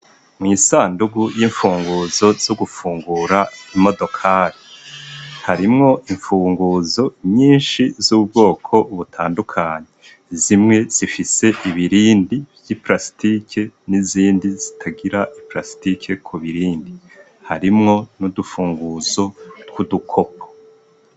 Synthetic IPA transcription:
mŋiːsaːnduɡujiɱfuːŋɡuːzo̞z̥oɡufuːŋɡuɾaimo̞do̞kʰaːɾi | haɾimŋo̞ʔiɱfuːŋɡuzo̞ɲiːnʃizub̚ɡo̞ːkʰo̞uβutʰaːndukʰaɲe | zimŋe̞z̥ifise̞ʔiβiɾiːndibjipɾasi̥tikʰeniziːndizitʰaɡiɾaʔipɾasi̥tikʰe̞kʰuβiɾiːndi | haɾimŋo̞nudufuːŋɡuzo̞tkudukʰo̞p̚ʰo̥

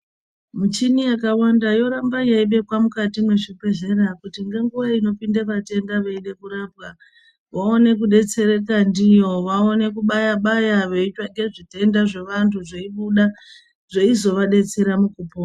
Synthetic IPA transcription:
mut͡ʃinijakawandajo̞ɾambajaiɓe̞kwamukatimwe̞ʐipe̞ɮe̞ɾakutiŋɡe̞ŋɡuʋaino̞pindaʋate̞ndaʋeiɗe̞kuɾapka | ʋao̞ne̞kuɗe̞t͡se̞ɾe̞k̬andijo̞ʋao̞ne̞kuɓajaɓajaʋe̞it͡ʃaŋɡe̞ʐite̞ndaʐe̞ʋantʰuʐeiɓuɗa | ʐ̥eizo̞ʋaɗe̞t͡se̞ɾamukupo

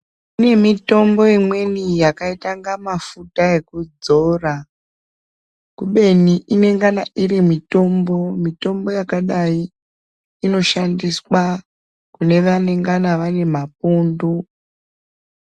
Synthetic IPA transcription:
ine̞mito̞mbo̞imwe̞nijakaitaŋɡamafutae̞kud͡zo̞ːra | kuɓe̞niʔine̞ŋɡanaʔiɾimito̞mbo̞mito̞mbo̞jakaɗaiː | no̞ʃandiswa | kune̞ʋane̞ŋɡanaʋane̞map̚uːndu

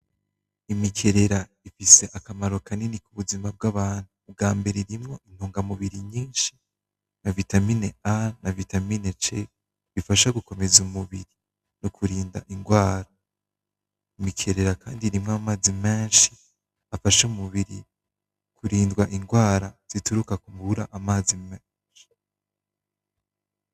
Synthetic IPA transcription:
imikʰe̞ɾe̞ɾa | ifise̞ʔakamaɾo̞kaninikuβuzimab̚ɡaβaːnubɡaːmbe̞ɾeɾimŋo̞in̥hoːŋɡamuβiɾiɲiːnʃi̥ | navitamineanavitaminet͡ʃe | βifaʃaɡuko̞me̞zumuβiɾi | nokʰuɾiːnda̰ʔiŋɡwaːɾa | mikʰeɾeɾakaːndiɾimŋamaːzime̞ːnʃi̥ | afaʃumuβiɾi | kʰuɾiːndɡwaʔiŋɡwaːɾaz̥ituɾukakumbuɾaʔamaːzimeːnʃi̥

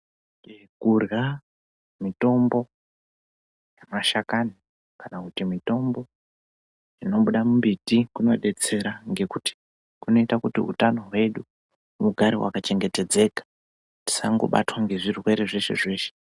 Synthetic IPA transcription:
e | kurɣa | mito̞mbo̞ | jamaʃakani | kanakutimito̞mbo̞ | ino̞ɓuɗamumbitikuno̞̰ɗe̞t͡se̞ɾaŋɡe̞kuti̥ | kuno̞itakutiṵtano̞ɦwe̞ɗu | muɡʱaɾiwa̰kat͡ʃe̞ŋɡe̞te̞d͡ze̞kḁ | ti̥saŋɡo̞̰ɓa̰twaŋɡe̞ʐirwe̞ɾe̞ʐe̞ʃe̞̰ʐe̞ːʃe̥

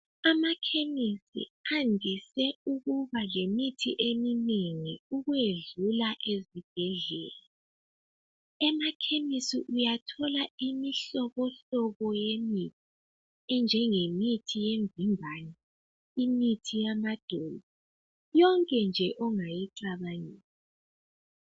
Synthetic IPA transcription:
amakʰemisḭandʱisɛuɣuβalemitʰḭʔemineŋiuɣweɮulaʔezib̥ʱɛɮɛ̰ːla | ɛmakʰemisḭʔujatʰɔlaimiɬɔβɔɬɔβɔjemitʰi̥ | ɛnd͡ʒʱɛŋemitʰijeɱvimbʱani | imitʰijamad̥ʱɔlɔ | jɔŋkʼɛnd͡ʒʱɛʔɔŋajiǀaβaniːsi

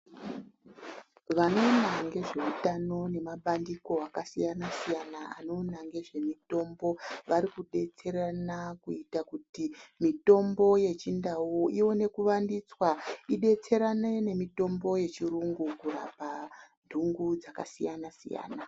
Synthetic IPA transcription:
ʋano̞ːnaŋɡe̞ʐe̞utano̞ne̞maɓandiko̞akasijanasijanaano̞naŋɡe̞ʐe̞mito̞mbo̞ʋaɾikuɗe̞t͡se̞ɾanakuitakutimito̞mbo̞je̞t͡ʃindawuiwo̞ne̞kuʋandit͡swaiɗe̞t͡se̞ɾanene̞mito̞mbo̞je̞t͡ʃiɾuŋɡukura̰pandʱuŋɡud͡zaka̰sijanasḭja̰ːna

